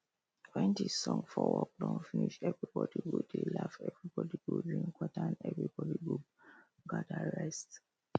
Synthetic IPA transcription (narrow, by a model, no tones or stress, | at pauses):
tʰwɛ̃ntisɔ̃ŋfɔwɔk̚dɔ̃nfiniʃɛvɹibɔdiɡodelafɛvɹibɔdiɡodĩŋkʰɔtaãnɛvɹibɔdiɡo | ɡadaɹɛst